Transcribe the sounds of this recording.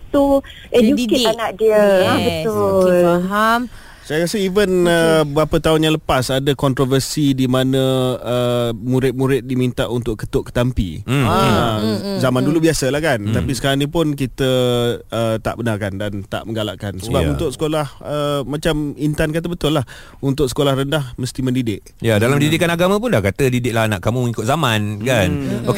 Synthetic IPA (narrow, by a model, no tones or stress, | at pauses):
t̪u | ʔɛjudkeanaʔdiəabət̪ʊlaɦam | sajakasəivənəbɾapət̪aʊnjaŋləpasadəkɔnt̪ɾovərsidimanə̃əmuɾɪt̪̚muɾɪt̪̚dimint̪aʔunt̪ʊʔkət̪ʊʔkə̥t̪ampḭa | zamandulubiasəlahkant̪apisə̥kaɾaŋnipʊnkit̪əət̪a̰ʔbənakandant̪a̰ʔmə̃ŋɡalaʔkansəbaunt̪ʊʔsə̥kolahəmat͡ʃamint̪ankat̪̬əbət̪ʊlah | unt̪̬ʊksə̥kolahɾəndahməst̪imə̃ndidɪʔ̚jadalamdidikanaɡamãp̬ʊnlahkat̪ədidɪk̚lahnaʔkamuməŋikʊt̪̚zamãnkanok